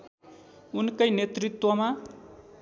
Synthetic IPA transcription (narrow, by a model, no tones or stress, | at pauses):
unkʌjnet̪rit̪wʌma